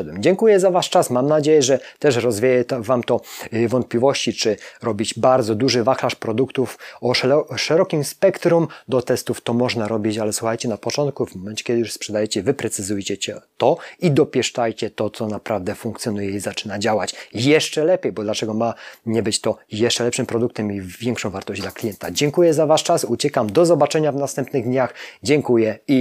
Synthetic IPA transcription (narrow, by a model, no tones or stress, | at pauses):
d̪wɛmd͡ʑɛŋkujɛzavaʂt͡ʂasmamnad͡ʑejɛʐɛt̪ɛʂɾɔzvʲejɛt̪vamt̪ɔvɔnt̪̚pʲlʲivɔɕt͡ɕit͡ʂɘɾɔbʲid͡ʑbaɾd̪zɔd̪uʐɘvaxlaʂpɾɔd̪ukt̪ufɔʂɛɾɔkʲimspɛkt̪ɾumd̪ɔt̪ɛst̪uft̪ɔmɔʐnaɾɔbʲit͡ɕalɛswuxajt͡ɕɛnapɔt͡ʂɔnt̪̚kuvmɔmɛnt͡ɕɛ̥kʲɛd̪ɘɪjuʂspʂɛd̪ajɛt͡ɕɛvɘpɾɛt̪sɘzujt͡ɕɛt͡ɕɛt̪ɔid̪ɔpʲjɛʂt͡ʂajt͡ɕɛt̪ɔt̪sɔnapɾavd̪ɛfuŋkt̪sʲjɔnujɛizat͡ʂɘnad͡ʑawat͡ɕjɛʂt͡ʂɛlɛpʲjejbɔd̪lat͡ʂɛɡɔmaɲɛbɘt͡ɕt̪ɔjɛʂt͡ʂɛlɛpʂɘmpɾɔd̪uk̚t̪ɛmivʲjɛŋkʂɔ̃w̃vaɾt̪ɔʑd͡ʑd̪laklʲijɛnt̪ad͡ʑɛŋkujɛzavaʂt͡ʂasut͡ɕɛkamd̪ɔzɔbat͡ʂɛɲavnast̪ɛmpnɘɣd̪ɲaxd͡ʑɛŋkujɛi